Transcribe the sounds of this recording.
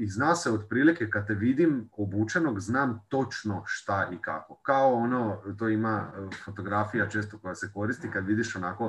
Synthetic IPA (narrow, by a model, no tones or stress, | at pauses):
iznaːseod̪pɾiːlikekad̪̚t̪eʋid̪imobuːt͡ʃeno̞ɡznaːmt̪o̞t͡ʃno̞ʃt̪aʔika̰ko̞kaoonot̪oːimafo̞t̪o̞ɡɾafijat͡ʃe̞ːst̪oko̞jaseko̞ɾist̪ikad̪ʋid̪iʃonako̞